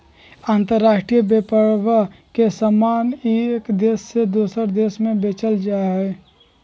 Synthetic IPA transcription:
aːnt̪əɾːaːʃʈɾijəbepəɾwəkesəmaːnekd̪eːsːed̪oːsəɾd̪eːsmẽbeːt͡ʃəld͡ʒaːeɦɛː

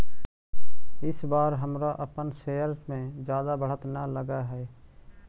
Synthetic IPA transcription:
ɪsbaːɾɦəmɾaʔəpənseːəɾsmẽd͡ʒjaːd̪abʱəɽ̤ət̪nələɡaːɦɛː

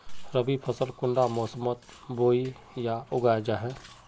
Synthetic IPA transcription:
ɾəbipʰəsəlkʊ̃ɳɖamɔːsəmət̪ | boːi | jaʊɡaːd͡ʒaɦɛː

